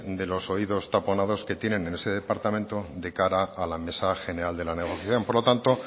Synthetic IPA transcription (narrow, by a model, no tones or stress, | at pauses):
d̪e̞lo̞so̞iðo̞st̪apo̞nað̞o̞ske̞t̪je̞ne̞nene̞se̞ðe̞paɾt̪amẽnt̪od̪e̞kaɾaːlame̞saxe̞ne̞ɾald̪e̞lane̞ɣ̞oθjaθjo̞mpoɾlo̞t̪ant̪o